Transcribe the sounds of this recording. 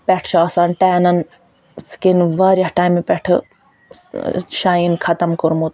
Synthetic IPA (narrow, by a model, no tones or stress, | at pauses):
pɛʈʰt͡ʃʰaːsanʈeːnɐn | skinʋaːɾjɐhʈaːjmepɛʈʰɨ̰ | ʃaːinkʰɐt̪ɐmkuɾmut̪